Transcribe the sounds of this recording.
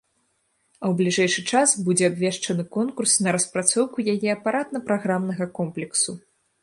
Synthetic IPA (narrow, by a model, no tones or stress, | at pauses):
ɐwblʲiʐɛjʂɨt͡ʂasbud͡zʲɛabvʲɛʂt͡ʂɐnɨkɔnkursnɐɾɐspɾat̪sɔwkujajɛɐpaɾat̪nɐpɾaɣɾamnɐɣɐkɔmplʲɛksu